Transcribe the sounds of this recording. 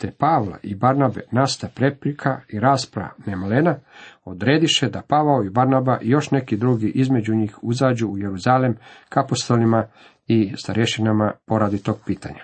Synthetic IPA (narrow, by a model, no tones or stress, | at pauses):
t̪epaʋla̰ʔibaɾnabḛnast̪apɾepɾikʰaiɾaːspɾaa̰nemlenaod̪ɾeːd̪iʃed̪apaʋaoibaɾnabaʔijo̞ʃne̞kid̪ɾuɡiʔizme̞d͡ʑuɲiːxuzaːd͡ʑuːje̞ɾuzaːlemkapost̪o̞lima | ist̪aɾjeʃinamapo̞ɾad̪it̪oɡ̚piːt̪a̰ɲa̰